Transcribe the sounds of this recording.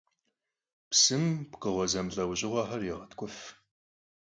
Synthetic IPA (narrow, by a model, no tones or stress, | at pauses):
psɨmpqəʁʷɔzɐmɮɐwʑɪʁʷɐħɐrjɪʁɐtʰkʷʼʊf